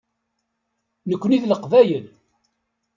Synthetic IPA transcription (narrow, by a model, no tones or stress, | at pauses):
nəkʷːniðləqvæjəl